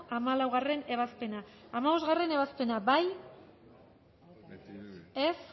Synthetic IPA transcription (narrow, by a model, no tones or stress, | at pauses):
amalawɣare̞ne̞β̞aspe̞naːmaβo̞z̬ɣare̞ne̞βaspe̞nabaj | e̞s